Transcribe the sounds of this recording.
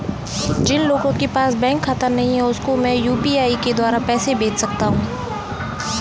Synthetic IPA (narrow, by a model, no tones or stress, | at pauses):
d͡ʒɪnloːɡõkepaːsbɛ̃ːŋkxat̪əɾnɐɦĩɦɛʊskomɛ̃ːjuːpiaːiked̪waːɾapɛːsebeːt͡ʃsɐk̚t̪aɦũː